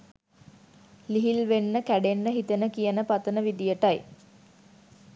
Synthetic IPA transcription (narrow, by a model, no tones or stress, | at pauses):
liɦilʋenːəkæɖenːəɦit̪ənəkijənəpat̪ənəʋid̪ijəʈaj